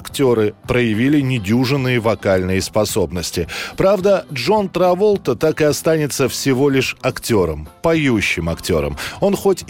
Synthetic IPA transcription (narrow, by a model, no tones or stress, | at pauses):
ɐktʲo̞ɾɨpɾəjɪvʲilʲɪnʲɪdʲuʐɨnːɨjəvɐkalʲnɨjəspɐso̞bnəsʲtʲɪpɾavd̪əʐo̞nt̪ɾɐvo̞lˠt̪ət̪akɨɐst̪anʲɪt̪səfsʲɪvo̞lʲɪʂɐktʲo̞ɾə̰mpɐjuɕːɪmɐktʲo̞̰ɾə̰mo̞nxo̞tʲ